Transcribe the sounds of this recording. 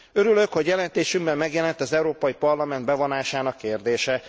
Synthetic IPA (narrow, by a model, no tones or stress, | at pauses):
ø̞ɾyløkhoɟjɛlɛnt̪eːʃymbɛmːɛɡjɛlɛnt̪ɒzɛuɾoːpɒjipɒrlɒmɛnd̪̚bɛvonaːʃaːnɒkːeːrd̪eːʃɛ